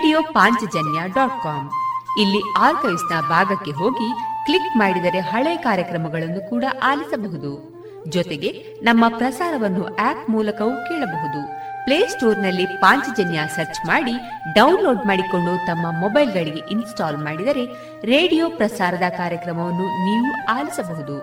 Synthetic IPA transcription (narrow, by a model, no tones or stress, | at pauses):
ɖijoːpaːɲt͡ʃɐd͡ʒɐnjaɖaːʈ̚kaːmilːiaːɾkɐjsnɐbʱaːɡɐkːe̞ɦo̞ːɡikɭikmaːɽid̪ɐɾe̞ɦɐɭɛjkaːɾjɐkɾɐmɐɡɐɭɐnːukuːɽɐʔaːlisɐbɐɦud̪u | d͡ʒɔt̪eɡe̞ | nɐmːɐpɾɐsaːɾɐʋɐnːuʔaːpmuːlɐkɐʋukɛːɭɐbɐɦud̪upleːsʈoːɾnɐlːipaːɲt͡ʃd͡ʒɐnjasɐɾt͡ʃmaːɽi | ɖɐwnlo̞ːɖmaːɽiko̞ɳɖut̪ɐmːɐmɔbɐjlɡɐɭiɡe̞ʔinsʈaːlmaːɽid̪ɐɾe̞ | ɾe̞ːɖijoːpɾɐsaːɾɐd̪ɐkaːɾjɐkɾɐmɐʋɐnːuniːʋuaːlisɐbɐɦud̪u